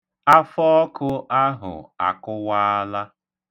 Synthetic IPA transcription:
a˦fɔ˦ɔ˦kʊ˦ʔa˦ɦʊ̰˨a̰˨kʊ˦wa˦a˦la˦

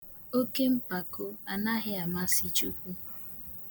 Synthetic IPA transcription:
o˦ke˦m̩˦pa˨ko˦a˨na˦ɦɪ˦a˨ma˦si˨t͡ʃu˦kʷu˦

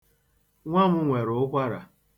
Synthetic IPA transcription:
ŋʷa˦mʊ˦ŋʷe˨ɾʊ˨ʊ˦kʷa˦ɾa̰˨

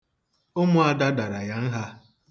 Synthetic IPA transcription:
ʊ˦mʊ˦a˨da˦da˨ɾa˨ja˦n̩˦ɦa˦

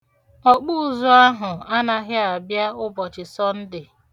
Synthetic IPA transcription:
ɔ˨k͡puː˦˨zɔ˦a˦ɦʊ˨a˦na˨ɦɪ˦a˨bja˦ʊ˦bɔ˨t͡ʃɪ˨sɔ˦n̩˦dɪ˨

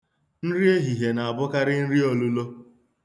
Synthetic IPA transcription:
n̩˦ɾi˦e˦ɦi˨ɦe˨na˨a˨bʊ˦ka˦ɾɪ˦n̩˦ɾi˦o˨lu˦lo˦

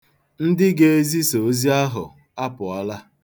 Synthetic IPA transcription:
n̩˦dɪ˦ɡe˦e˦zi˦so˨˦zi˦a˦ɦʊ˨ | a˦pʊ˨a˦la˦

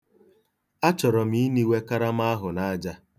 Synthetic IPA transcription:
a˦t͡ʃɔ˨ɾɔ˨m̩i˦ni˦we˦ka˦ɾa˦m˦a˦ɦʊ˨na˦d͡ʒa˦

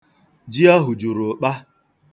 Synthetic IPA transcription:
d͡ʒi˦a˦ɦʊ˨d͡ʒu˨ɾʊ˨k͡pa˦

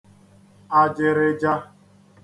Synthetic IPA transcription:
a˨d͡ʒɪ˨ɾɪ˦d͡ʒa˦

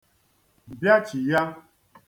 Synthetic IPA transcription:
m̩˨bja˦t͡ʃi˨ja˦

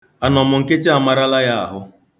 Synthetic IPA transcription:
a˨nɔ˨mʊ˨ŋ̩˨ke˦t͡ʃe˦a˦˨ma˨ɾa˦la˦ja˦a̰˨ɦʊ˦

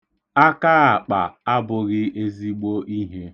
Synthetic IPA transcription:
a˦ka˦a˨k͡pa˨a˦bʊ˨ɣɪ˦e˦zi˦ɡ͡bo˦i˦ɦe˦

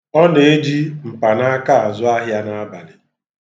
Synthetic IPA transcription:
ɔ˦ne˨e˦d͡ʒi˦m̩˨pa˨na˦a˦ka˦a˨zʊ˦a˦ɦja˦na˦a˦ba˨lɪ˨

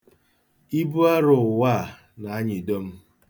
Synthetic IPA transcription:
i˦bu˦a˦ɾʊ˨waː˦˨ | na˨a˦ɲɪ˨do˦m̩˦

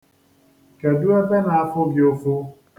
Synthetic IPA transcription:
ka˨du˦a˦t̪a˦na˨a˦fʊ˦ɡjo˦fʊ˦

